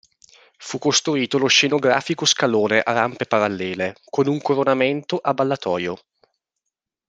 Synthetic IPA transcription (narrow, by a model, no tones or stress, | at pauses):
fukːost̪ɾuiːt̪olosʃːenoɡɾa̰ːfikoskaloːneʔaɾampepaɾalːɛːlekonuŋkoɾonament̪oʔabːalːat̪ɔːjo